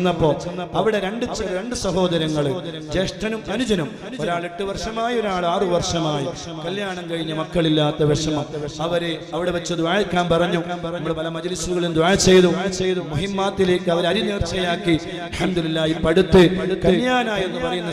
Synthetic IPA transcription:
nːɐpːoːɐɐʋiɽe̞ɾe̞ɳɖɨt͡ɕɾeɳɖɨsɐɦo̞ːðɐɾɐŋːɐɭɐɐŋːd͡ʑeːʂʈɐnumɐnud͡ʑɐnum | oɾaːɭeʈːuʋɐrʂɐmaːjio̞ɾaːɭaːrɨʋɐrʂɐmaːjiɐkɐljaːɳɐmkɐɻiɲːɐmɐkːɐɭilːaːt̪ːɐʋeʂɐmɐɐʋɐɾeɐʋiɽeʋɐt͡ɕːɐd̪uʋaːjekʲːaːnpɐrɐɲːuɐmːɐɭpɐlɐmɐd͡ʑɐlisuɣɐɭumd̪waːjɐt͡ɕejðut͡ɕejðumuɦimːaːt̪ːile̞ːkːɨɐʋɐɾɐɾiniːrt͡ɕɐjaːkːi | ɐlħɐmd̪ulilːaːjipɐɽut̪ːɨɐkɐnjaːnaːjenːɨpɐrɐjunːɐ

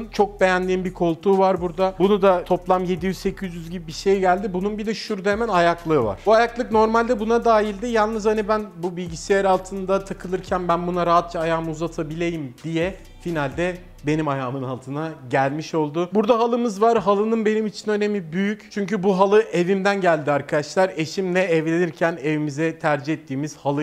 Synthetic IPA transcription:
nt͡ʃʰo̞k̚be̞jænd̪iːnbiɾkʰo̞lˠt̪ʰuːvaɾbuɾd̪abunud̪at̪ʰo̞plˠamje̞d̪ijyzse̞cʰyzjyzɟibibiʃe̞jɟælʲd̪ibununbid̪ɛʃuɾd̪emænajaklˠɯːva̰ɾ̥buajaklˠɯkn̪o̞ɾmalʲd̪ɛbunad̪aːjilʲd̪ɪjalˠnɯzanibænbubilʲɟisejaɾalˠt̪ʰɯnd̪at̪ʰakʰɯlˠɯɾcʰænbænbunaɾaɦat̪̚t͡ʃʰaːjaːmɯuzat̪ʰabilʲe̞jimd̪ijɛ | finalʲd̪ɛ | be̞nimajaːmɯnalˠt̪ʰɯnaɟælʲmiʃo̞lˠd̪ʊbuɾd̪aɦalˠɯmɯzvaɾɦalˠɯnɯnbe̞nimit͡ʃʰinø̞nemibyjyct͡ʃʰyɲcybuɦalˠɯʔe̞vimd̪ænɟælʲd̪iaɾkʰad̪aʃlˠaɾe̞ʃimnɛɛvlʲe̞niɾcʰæne̞vimizɛt̪ʰæɾd͡ʒihet̪ʰːiːmiz̥halˠɯ

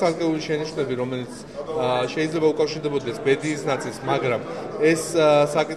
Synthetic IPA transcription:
aɾkʼɛuliʃɛniʃnɛbiɾɔmɛlit̪sʰ | ʃɛid̪zlɛbaukʼafʃiɾd̪ɛbɔd̪ɛsbɛd̪iːsnat̪sʼilˠsmaɡɾamɛssakʼit̪

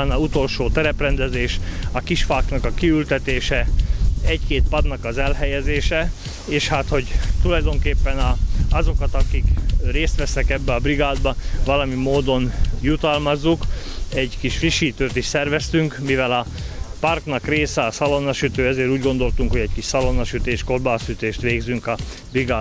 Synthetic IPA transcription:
nɒut̪o̞lʃoːt̪ɛɾɛprɛnd̪ɛzeːʃɒkiʃfaːknɒkɒkiylt̪ɛt̪eːʃɛ | ɛɟkeːt̪̚pɒd̪nɒkɒzɛlɦɛjɛzeːʃɛ | eːʃhaːt̪ho̞ɟt̪ulɒjd̪o̞ŋkeːpːɛnɒɒzo̞kɒt̪ɒkikreːst̪ʋɛsɛkɛbːɛɒbriɡaːd̪bɒʋɒlɒmimoːd̪o̞njut̪ɒlmɒzːukɛɟkiʃfriʃiːt̪øːt̪iʃsɛrvɛst̪yŋkmivɛlɒpɒrknɒkreːsɛɒsɒlonɒʃyt̪øːɛzeːɾuːɟɡo̞nd̪o̞lt̪uŋkhoɟɛckiʃsɒlonɒʃyt̪eːʃko̞rbaːsyt̪eːʃt̪ʋeːɡzyŋkɒ | briɡaː

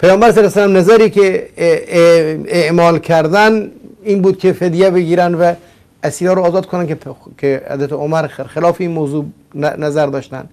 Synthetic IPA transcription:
pʰæjɒːmbæɾseɾæsælæmnæzæɾiːke | eʔmɒːlkʰæɾd̪æniːnbuːd̪̚kʲʰefed̪ijæbeɡiːɾænd̪væ | æsiːɾɒːɾoːzɒːd̪̚kʰonænkkʰeæ̰d̪æt̪ʰoomæɾxelɒːfeiːnmowzuː | næzæɾd̪ɒːʃt̪æ̰n

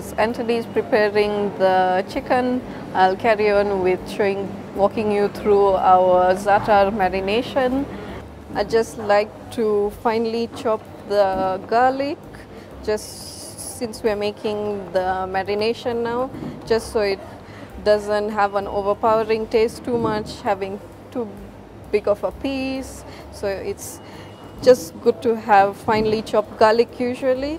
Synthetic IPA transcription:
sɛ̃ntiɾizpɾipɛːɾɪ̃ŋd̪ət͡ʃɪkə̃n | aɪlkʰæɾiɔ̃nʋɪd̪ʃoːɪ̃ŋ | wɔːkɪ̃ŋjut̪ʰɾuːaʊəzaʈəɾmɛɾɪneːʃə̃n | aɪd͡ʒʌsʈlaɪk̚ʈʰufãɪnəlit͡ʃɔp̚d̪əɡalɪk | d͡ʒʌs | sɪ̃nsʋiəmeːkʰɪ̃ŋd̪əmɛɾɪneːʃə̃nːaʊd͡ʒʌstsoːɪʈ̚ | ɖʌzə̃nʈɦæʋæ̃no̰ːʋəɾpaʊəɾɪ̃ŋʈeːsʈːuːmʌt͡ʃhæʋɪ̃ŋ | ʈuː | bɪɡɔfəpis | soːɪʈs | d͡ʒʌsʈɡʊɖ̚ʈuɦæʋfãɪ̃nəlit͡ʃɔp̚ɡalɪkʰjuːʒuəli

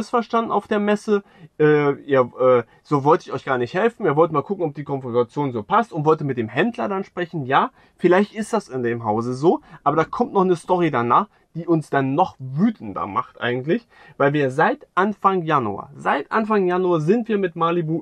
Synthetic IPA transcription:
əsfɛɐʃtandn̩a̰ʊfd̥eːɐmɛsə | ʔɛːʔiːɐʔɛː | z̥oːvɔltəɪçɔʏçɡ̥aːɐnɪçthɛlfn̩iːɐvɔltəmaːlkʰʊkŋ̩ɔp̚d̥iːkʰɔnfʁɔntat͡sjoːnzoːpʰastʊntv̥ɔltəmɪt̚d̥eːmɦɛndlɐdanʃpʁ̥ɛçn̩jaː | fɪlaɪçtɪst̚d̥asɪndeːmɦaʊzəzoːʔaːbɐdaːkʰɔmtnɔχnəstɔʁ̞idanaːχ | d̥iːʔʊnsd̥anːɔχvyːtn̩dɐ̰ma̰χtʔa̰ɪɡŋ̩tlɪç | vaɪlviːɐzaɪtʔanfaŋjanṵa̰zaɪtʔa̰nfaŋjanuɐzɪntv̥iːɐmɪtmaːlibuː

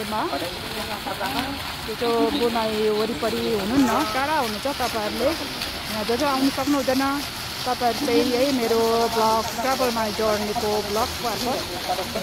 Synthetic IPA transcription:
ema | t̪et͡sobunajoɾipʌɾiɦununːʌkaɽaɦunut͡sʰʌt̪ʌpaʌɾule | d͡zʌd͡zoawnʌsʌknuɦud̪ʌjnʌ | t̪ʌpãʌɾutejʌjmeɾoblʌkkabʌlmad͡zʌɽnekoblʌk̚pʌrpʌ

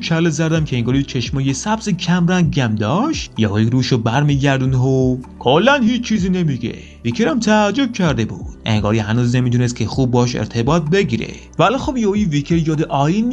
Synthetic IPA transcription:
kʰælːezæɾd̪æmkʰeeŋɡɒːɾit͡ʃʰeʃmɒːjesæbzecʰæmɾænɟæmd̪ɒːʃt̪jehoiɾuːʃobæɾmiːɟʲæɾd̪unɦokʰolːænhiːt͡ʃt͡ʃʰiːziːne̞miɡḛ | vikʰeɾæmt̪ʰæːd͡ʒːob̥̚cʲʰæɾd̪e̞bṵːd̪̥̚eŋɡɒːɾihænuːzne̞miːd̪unest̪̚cʰexuːb̚ːɒːʃḛɾt̪ʰe̞bɒːt̪̚be̞ɟiːɾḛ | vælɒːxobjehojivikʰeɾjɒːd̪eʔɒːjinː

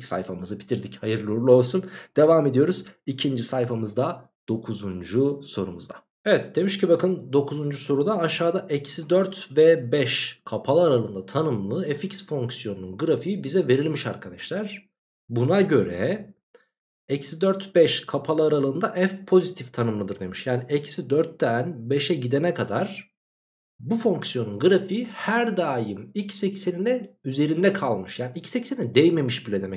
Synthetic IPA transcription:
sa̰jfamɯzɯbʰi̥t̪ʰiɾd̪ichajɯɾlˠoɾlˠuo̞lˠsund̪̥e̞vaːme̞d̪ijo̞ɾuzicʰind͡ʒisajfamɯzd̪a | d̪̥o̞kʰuzund͡ʒuso̞ɾṵmṵzd̪a̰ | evɛt̪d̪e̞miʃcʰibakʰɯnd̪o̞kʰuzund͡ʒuso̞ɾud̪aaʃaːd̪aʔɛcsid̪øɾt̪vɛbɛʃkʰapʰalˠɯaɾalˠɯːnd̪at̪ʰanɯmlˠɯɛficsfo̞ŋksijo̞nununɡɯɾafijibizɛve̞ɾilʲmiʃa̰ɾkʰad̪aʃlʲæɾ̥ | bunaɟø̞ɾɛ̰ | ɛcsid̪øɾt̪bɛʃkʰapʰalˠɯaɾalˠɯːnd̪aʔɛfpʰo̞zit̪ʰift̪ʰanɯmlˠɯd̪ɯɾd̪e̞miʃjaːniʔɛcsid̪øɾt̪ːænbe̞ʃɛɟid̪enɛkad̪aɾ̥ | bufo̞ŋksjo̞nunɡɯɾafihæɾd̪aːjɯmicsecse̞ninɛyze̞ɾind̪ɛkʰalˠmɯʃjaːniicsecsenɛd̪ɛjme̞miʃbilʲɛd̪emɛc

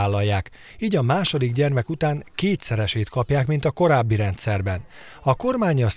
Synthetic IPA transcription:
aːlːɒjːaːk | iːɟɒmaːʃo̞d̪iɡɟɛrmɛkut̪aːŋkeːt̪sɛɾɛʃeːt̪kɒpjaːkmint̪ɒko̞ɾaːbːiɾɛnt̪sɛrbɛn | ɒko̞rmaːɲɒs

